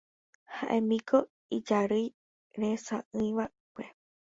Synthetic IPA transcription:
ha̰ʔẽmĩkʰo | id͡ʒaɾɨj | ɾesã̰ʔɨ̃j̃ʋa | kʷe

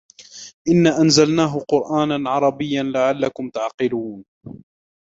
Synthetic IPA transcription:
ʔɪnːaːʔanzalnaːɦʊqʊɾʔaːnanʕɑɾˤɑbɪjːanlaʕalːakʊmt̪aʕqɪluːn

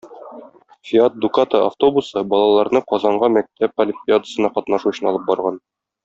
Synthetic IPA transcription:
fʲiat̪̚d̪ukat̪əʔaft̪o̞busɤbɒlˠɑlˠɑɾnɤqɒzɑɴɢɑmæk̚t̪æp̚ɐlʲɪmpʲɪad̪ə̥̆sɤ̆nɑqɒt̪nɑʃuɕɤnɒlˠɤp̚bɒɾʁɑn

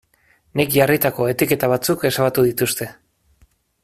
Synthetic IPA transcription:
nikʝarit̪ako̞e̞t̪ike̞t̪aβ̞at͡suke̞saβat̪uðit̪ust̪e̞

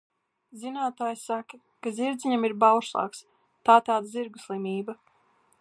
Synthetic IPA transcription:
zinaːt̪aːjsakɐ | kaziɾd̪zʲiɲamiɾbawʃlˠɑ̰ːks | t̪aːt̪aːd̪aziɾɡuslˠimʲiːba

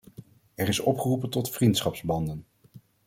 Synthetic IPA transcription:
ɛɹɪsɔ̰pχərupəntɔtfrintsχɑpzbɑndən

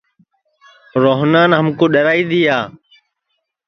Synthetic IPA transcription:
ɾoːɦnaːnɦəmkoːɗəɾaːiːd̪iːaː

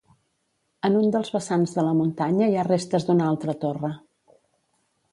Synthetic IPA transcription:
ənund̪əlˠzβəsanzðələmunt̪aɲəiarest̪əzd̪unalˠt̪ɾət̪orə

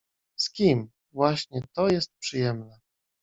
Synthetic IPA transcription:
skʲim | vwaɕɲɛt̪ɔjɛst̪̚pʂɘjɛmnɛ

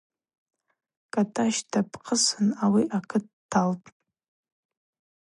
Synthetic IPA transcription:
kʼatʰʼaʃtʰapʰʼqʰʼəsɨnawiʔakʰɨttʰːaltʼ

